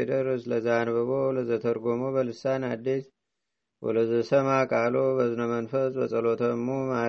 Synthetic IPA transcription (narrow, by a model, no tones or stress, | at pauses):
ed̪əɾɨsləzanbəβoləzət̪ʰəɾɡomobəlɨsanad̪ːis | wɔ̰ləzəsəmakʼalobəzɨnəmənfəsbəsʼəlot̪ʰəmːuma